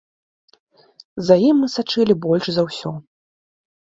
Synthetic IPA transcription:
zajimːɨsat͡ʂɨlʲibɔlʲʂzɐwsʲɔ

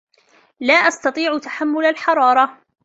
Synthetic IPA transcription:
laːʔast̪ɑt̪ˤiːʕʊt̪ḁħamːʊlalħɑɾˤɑːɾˤɑ

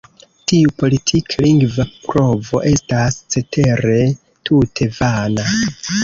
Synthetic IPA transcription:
tiupo̞litʰikʰaliŋɡvapɾo̞vo̞̰ʔe̞stast͡se̞tʰe̞ɾe̞ | tʰutʰe̞vana

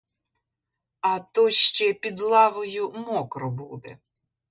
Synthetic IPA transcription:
ɐt̪ɔʃt͡ʃɛpʲid̪lˠɑʋɔjʊmɔkɾɔbud̪ɛ

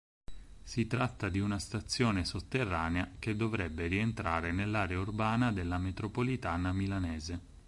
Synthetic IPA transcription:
sit̪ɾat̪ːad̪iunast̪at̪sːjoːnesot̪ːerːaːneak̟ed̪ːovɾɛbːerient̪ɾaːɾenelːaːɾeaurbaːnad̪elːamet̪ɾopolit̪aːnamilanɛːze

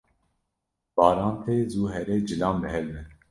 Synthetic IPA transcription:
b̥ɑːɾɑːnt̪ʰeːzuːɦɛɾɛjd͡ʒɨlɑːmbɛɦɛlmɛ

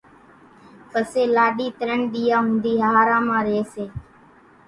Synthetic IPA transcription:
pəseːlaːɗiːt̪əɾəɳɗ̪iːjaːɦʊ̃nd̪iːɦaːɾãːmãːɾeːseː

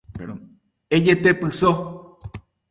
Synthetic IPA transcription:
ed͡ʒet̪epɨso

